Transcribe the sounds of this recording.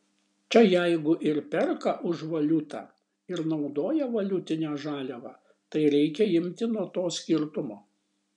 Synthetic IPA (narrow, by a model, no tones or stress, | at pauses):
t͡ʃʲɛjæɪɡʊʔɪɾpʲɛɾkɐʔʊʒʋɐlʲʊt̪ɑ̰ | ɪɾnɒʊd̪oːjɛʋɐlʲʊt̪ʲɪnʲæːʒɑːlʲɛʋɑː | t̪ɐɪɾʲɛɪkʲɛɪmʲt̪ʲɪnuɔt̪oːsʲkʲɪɾt̪ʊmoː